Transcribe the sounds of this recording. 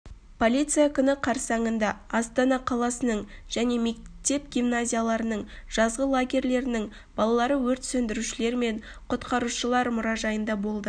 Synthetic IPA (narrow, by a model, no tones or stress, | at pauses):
pʰo̞lʲijt̪sɨjakʲʰʏnɪqʰɑɾsɑɴənd̪ɑːst̪ɑnɑqʰɑlˠɑsənəɴʒ̥æne̞me̞kt̪e̞p̚ɡʲimnazʲijalˠɑɾənəɴʒ̥ɑzʁəlˠaɡʲe̞ɾle̞ɾɪnɪŋ | b̥ɑlˠɑlˠɑɾəwɵɾt̪sɵnd̪ɪɾuʃɪle̞ɾme̞ɴ | qʰʊt̪qɑɾuʃəlˠɑɾmʊɾɑʒɑjənd̪ɑbo̞lˠd̪ə